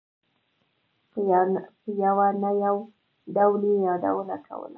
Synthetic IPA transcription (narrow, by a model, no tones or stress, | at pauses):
pjawanajaw | dawlijada̰wənakʰa̰wə̰la